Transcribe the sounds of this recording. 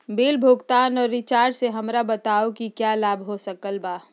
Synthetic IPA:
beːlbʱʊːɡt̪aːnɔːɾːɪt͡ʃaːɾɖseɦɐmɾabɐt̪aːokikjaːlaːbʱɦosɐkəlbaː

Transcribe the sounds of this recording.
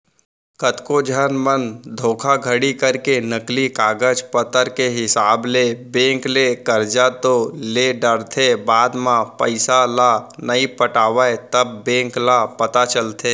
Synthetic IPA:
kət̪kod͡ʒʱənmənd̪ʱoːkʰaɡʱəɽikəɾkenəklikaːɡəd͡ʒpət̪əɾkeɦɪsaːblebẽːŋklekəɾd͡ʒat̪oleɖəɾt̪ʰebaːd̪mãpəɪsalanəipəʈaːʋət̪əbːẽːŋklapət̪at͡ʃəlt̪ʰeː

